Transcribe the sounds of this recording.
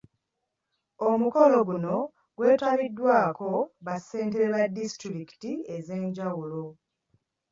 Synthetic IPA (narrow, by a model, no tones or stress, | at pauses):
omuko̞lo̞ɡuno̞ | ɡ̥we̞ːtwaβidːwaːko̞βase̞ːnteɾeβadistɾiki̥tie̞ze̞ːɲɟawulo̞